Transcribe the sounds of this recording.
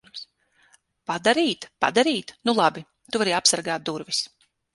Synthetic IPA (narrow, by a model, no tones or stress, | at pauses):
s | pad̪aɾiːt̪pa̰d̪aɾiːt̪nulˠabi | t̪uvaɾiːapsaɾɡaːt̪̚d̪uɾvis